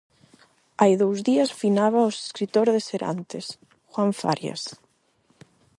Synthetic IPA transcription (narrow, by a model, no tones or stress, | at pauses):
ajðowzðiasfinaβaose̥skɾit̪oɾðeseɾa̰nt̪es | xwaɱfa̰ɾja̰s